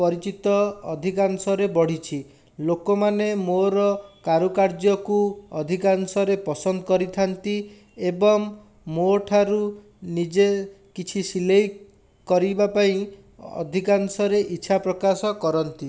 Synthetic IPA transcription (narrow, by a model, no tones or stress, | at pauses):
pɔɾit͡ʃit̪ɔɔd̪ʱikansɔɾebɔɽ̤it͡ʃʰi | lokɔmanemoɾɔkaɾukaɾd͡ʒɔkuɔd̪ʱikansɔɾepɔsɔnd̪ɔkɔɾit̪ʰant̪i | ebɔŋ | moʈʰaɾu | nid͡ʒe | kit͡ʃʰisilej | kɔɾibapaĩ | ɔ̰d̪ʱikansɔɾeʔiːʃʰapɾɔkasɔkɔɾɔnt̪i